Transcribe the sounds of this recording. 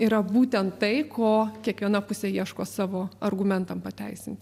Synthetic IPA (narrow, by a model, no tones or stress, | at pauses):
iɾɐbuːt̪ʲɛnt̪tɐɪkʰoːkʲiɛkʋʲiɛnɐpʊsʲeiɛʃkoːsɑːʋoːɐrɡʊmʲɛnt̪ɐmpɐt̪ʲæɪsʲɪnt̪ʲ